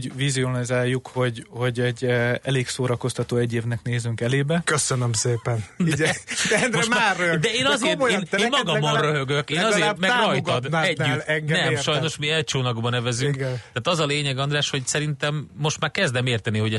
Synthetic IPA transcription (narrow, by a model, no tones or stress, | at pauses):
ɟvizionizaːjːukho̞ɟho̞ɟɛɟɛleːksoːɾɒko̞st̪ɒt̪oːɛɟːeːvnɛkneːzyŋkɛleːbɛkøsønømseːpɛnɛnmomaøɡd̪ɛeːnɒzeːteːneːnmɒɡɒmonrøɦøɡøkeːnɒzeːrmɛɡɒjt̪od̪ɛɟːytlɛŋɡnɛmʃɒjnno̞ʃmiɛlt͡ʃoːnɒɡbɒnɛvɛzykɡnt̪aːt̪ɒzɒleːɲɛɡɒnd̪raːʃho̞csɛɾint̪ɛmːo̞ʃt̪maːɾkɛzd̪ɛmeːrt̪ɛniɦo̞ɟɛ